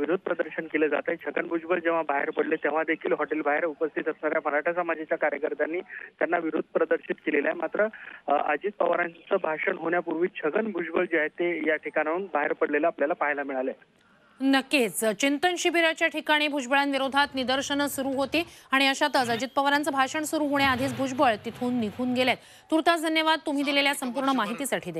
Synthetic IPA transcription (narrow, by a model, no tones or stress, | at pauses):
ʋiɾud̪ʱpɾəd̪əɾɕənkeləd͡za̰t̪əet͡ɕʰəɡənbʱud͡ʑbəld͡ʑeʋ̤abaɦḛɾpəɽlet̪ẽʋ̤ad̪ekʰḭːlɦɔʈelbʱaɦeɾupəst̪ʰit̪əsɳaɾjaməɾaʈʰasəmad͡ʑit͡ɕjakaɾjəkəɾt̪anːiːt̪janːaʋiɾud̪̚ʱpɾəd̪əɾɕit̪kelelaemat̪ɾəə̰d͡ʑiːt̪̚pəʋaɾant͡səbʱaʂəɳɦoɳjapuɾʋiːt͡ɕʰəɡənbʱud͡ʑbəld͡ʑeaɦet̪ejaʈʰikaɽaunbaɦeɾpəɽleləːpljalapaɦjlamiɭalae | nəkːet͡st͡ɕint̪ənɕibiɾat͡ɕjaʈʰikaɽ̃iːbʱud͡ʑbəɭanʋiɾod̪ʱat̪nid̪əɾɕəɳsuɾuːɦot̪iːaɽ̃iəɕat̪ət͡səd͡ʑit̪̚pəʋaɾant͡səbʱaɕəɳsuɾuːɦoɳjaːd̪ʱit͡sbʱud͡ʑbəɭt̪it̪ʰuːnːiɡʱuːnɡeljat̪ | t̪uɾt̪at͡sd̪ʱənjəʋad̪̚t̪um̤iːd̪ileljasəmpuɾɳəmaɦit̪iːsaʈʰiːd̪e